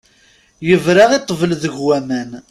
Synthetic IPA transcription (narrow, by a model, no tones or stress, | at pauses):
jəvɾɑʁet̪ˤːvəlðəʝwæmæn